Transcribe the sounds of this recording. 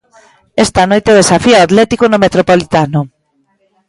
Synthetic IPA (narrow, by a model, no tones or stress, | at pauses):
ɛst̪anojt̪eð̞esafiaat̪lɛt̪ikonomet̪ɾopolit̪anʊ